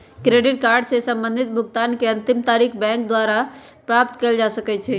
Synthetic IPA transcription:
kɾeɖiʈkaɾɖsesə̃mbənd̪ʱit̪̚bʱʊɡt̪ankeə̃nt̪imt̪aɾikʰbɛ̃ŋkd̪waɾapɾap̚t̪keld͡ʒasəkɛt͡ʃʰɛ

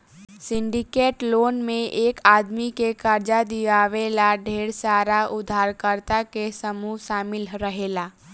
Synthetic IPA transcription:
sɪ̃ɳɖikeːʈloːnmẽʔeːkaːd̪mikekəɾd͡ʒad̪iʋaːʋelaɖʱeːɽsaːɾaʊd̪ʱaːɾkəɾt̪akesəmuɦʃaːmɪlɾəɦeːlaː

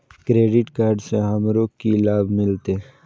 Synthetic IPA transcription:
kɾeːɖɪʈkaːɾɖseɦɐmɾoːkkːilaːbmɪlt̪e

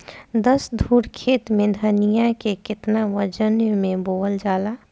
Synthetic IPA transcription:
d̪əsd̪ʱuːɽkʰeːt̪mẽd̪ʱənijãkekɪt̪naʋəd͡ʒənjmẽboːəld͡ʒaːlaː

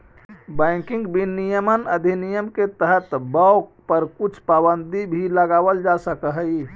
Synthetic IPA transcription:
bəɪ̃kĩŋɡbinijəmənəd̪ʱinijəmket̪əɦət̪bəwkpəɾkut͡ʃʰpabənd̪ibʱiləɡabəld͡ʒasəkəɦəj

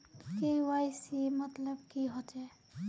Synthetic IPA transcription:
kewajsimʌt̪ləbkiɦot͡ʃɛ

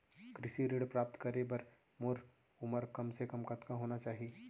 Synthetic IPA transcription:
kɾɪʃiɾeːɽpɾaːp̚t̪kɐɾebɐɾ | moːɾ | ʊməɾkɐmsekɐmkɐt̪kãɦoːnat͡ʃaːɦie

